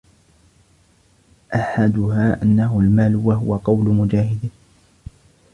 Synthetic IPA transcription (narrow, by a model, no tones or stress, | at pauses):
ʔaħad̪ʊhaːʔanːaɦʊlmaːlwaɦʊwaqɑwlʊmʊd͡ʒaːhɪd̪